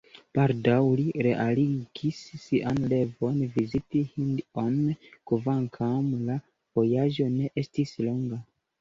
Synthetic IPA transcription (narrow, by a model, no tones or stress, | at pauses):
b̥aldawliɾe̞ʔaliɡ̥isːiʔanle̞vo̞nvizitihindonkvaŋkʰamla | vo̞jaʒo̞ne̞ʔe̞stislo̞ŋɡa